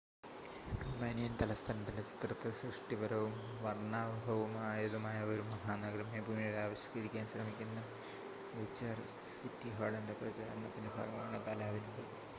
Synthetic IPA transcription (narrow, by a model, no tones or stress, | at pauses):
mɐnijɐnt̪ɐlɐst̪ʰaːnɐt̪ːindet͡ɕi̥t̪rɐt̪ːɨsrɨʂʈibɐɾɐʋum | ʋɐrɳaːʋɐbʱɐʋɐmaːjɐðɐmaːjɐoɾumɐɦaːnɐɡɾɐmjɐbʱuːmijoɽeaːʋɐɕjɐ̥kɐɾikʲːaːnɕrɐmikʲːunːɐ | ɡut͡ɕːaːrsitːiɦoːɭɐndeprɐt͡ɕaːɾɐnːɐt̪ːinebʱa̰ːɡɐɐmaːɳɨt̪aːlaːʋinuɽɐ